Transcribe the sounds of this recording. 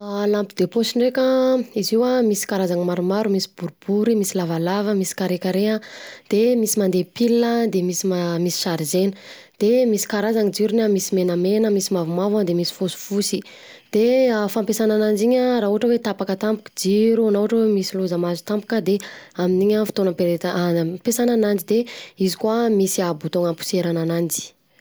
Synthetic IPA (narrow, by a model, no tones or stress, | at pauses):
alampid̪̥eposiɳɖ͡ʐekəiziwamisi̥kaɾazaŋimaɾumaɾumisi̥buɾub̥uɾimisilavalavəmisi̥kaɾekʲaɾeɦəd̪̥emisimand̪epilːəd̪emisiamisi̥ʃaɾizenə | d̪̥emisi̥kaɾazaŋid͡ʒiɾunamisimenamenəmisimavumavad̪emisi̥fosu̥fusi | d̪̥eafampesananand͡ʒiɲəɾaːuɦaʈ͡ʂəwet̪apakət̪ampu̥ki̥d͡ʒiɾuanauaʈ͡ʂəemisiluzəmazut̪ampu̥kʲəd̪eaminiɲəfi̥t̪onapeɾet̪pesananand͡ʒid̪eizikuamisiabut̪oŋəpu̥seɾananand͡ʒi̥